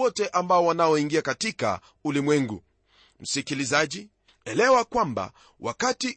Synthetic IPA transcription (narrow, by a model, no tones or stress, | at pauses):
ɔtɛʔambaɔwanaɔiŋɡiakatika̰ | ulimwɛŋɡṵ | m̩sikilizaʄi | ɛlɛwakwamba̰ | wa̰kati